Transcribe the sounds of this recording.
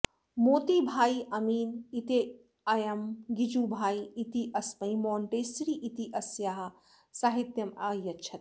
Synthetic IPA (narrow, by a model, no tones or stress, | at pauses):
moːt̪ibʱaːiʔɐmiːnit̪e | ɐjɐmɡid͡ʒuːbʱaːiit̪iʔɐsmɐimoːɳʈeːsɾiʔit̪iʔɐsjaːɦɐ̆ | saɦit̪jɐmɐːjɐt͡ʃʰɐt̪̚